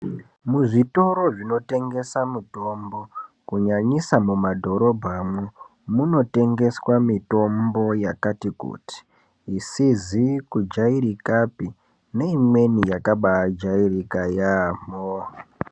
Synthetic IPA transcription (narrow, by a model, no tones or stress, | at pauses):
muʐito̞ɾo̞ʐino̞te̞ŋɡe̞samuto̞mbo̞ | kuɲaɲisamumadʱo̞ɾo̞bʱamwu | muno̞te̞ŋɡe̞swamito̞mbo̞jakatikṵti̥ː | sizikud͡ʒaiɾikapi | ne̞imwe̞nijakaɓad͡ʒairikajamo